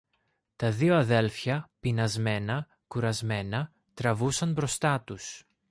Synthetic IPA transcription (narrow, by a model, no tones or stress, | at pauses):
t̪ɐðioɐðe̞lfçɐpinɐzme̞nɐ | kuɾɐzme̞nɐ | t̪ɾɐvusɐnbɾo̞st̪ɐt̪us